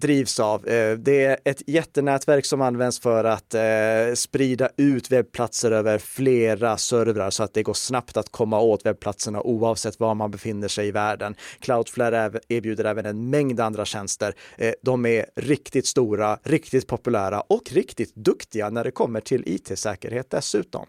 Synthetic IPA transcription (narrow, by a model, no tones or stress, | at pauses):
d̪ɾiːvsavd̪ɛæɾɛt̪jɛt̪ːənɛːt̪væɾksɔmanːvɛnd̪sfœɾat̪spɾiːd̪aʔʉ̟ːt̪vɛb̚pʰlat̪səɾøːvəɾfleːɾasœɾvɾaɾsɔat̪̚d̪ɛɡoːʂnapt̪at̪kʰɔmːaoːt̪vɛb̚pʰlat̪səɳa̰ʔuːɑːvsɛt̪ːvamanbɛfɪnːəʂɛjɪvæːɖənkʰlaʊd̪flæɾɛeːɾbjʉːd̪əɾɛːvənɛnmɛŋd̪and̪ɾaɕɛnst̪əɾd̪ɔmæɾɾɪkt̪ɪt̪st̪uːɾaɾɪkt̪ɪt̪̚pʰɔpɵlæːɾa̰ʔɔkɾɪkt̪ɪt̪d̪ɵkt̪ɪɡanæɖɛkʰɔmːəʈʰɪlʔḭːt̪ʰeːsɛːkəɾheːt̪̚d̪ɛsʉ̟ːt̪ɔ̰m